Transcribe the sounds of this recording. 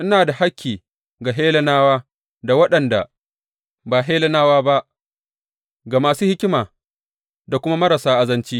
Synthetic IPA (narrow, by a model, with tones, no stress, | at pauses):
ʔɪ˦naː˨da˨ha˦kʲʰːiː˨ | ɡa˨ɦeː˦lɐ˦naː˦waː˦ | da˨wɐ˦ɗɐ˨nda̰˨ | baː˨ɦeː˦lɐ˦naː˦waː˦ba˦ʔ | ɡa˨maː˨suː˦hɪ˦kʲɪ˦maː˨ | da˨kʷʊ˦ma˦mɐ˦ɾa˨saː˦ʔa˨zɐ˦nt͡ʃiː˦